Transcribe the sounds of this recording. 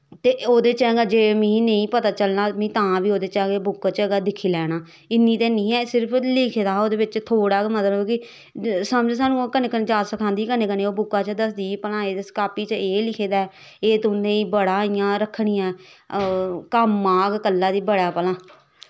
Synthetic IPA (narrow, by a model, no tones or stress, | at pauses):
t̪eːoːd̪eːt͡ʃɛ̃ːɡaːd͡ʒeːmĩːnəĩːpət̪aːt͡ʃəlnaːmĩːt̪ãːbiːoːd̪eːt͡ʃãːɡeːbʊkːaːt͡ʃəɡaːd̪ɪkʰːiːlɛːɽ̃aː | ɪnːĩːt̪eːnĩːɛːsɪɾpʰlɪkʰeːd̪aːoːd̪eːbɪt͡ʃt̪ʰoːɽaːmət̪ləbkɪ | səmd͡ʒẽːsaːnũːkəneːkəneːd͡ʒaːsəkʰãːnd̪iːkəneːkəneːoːbʊkːãːt͡ʃəd̪əs̬d̪iːpəlãːeːd̪eskaːpiːt͡ʃəeːlɪkʰeːd̪aːɛː | eːt̪ʊnẽːiːbəɽaːɪjãːɾəkʰːɽiːãː | kəmːaːɡkəlːaːd̪iːbəɽaːpəlãː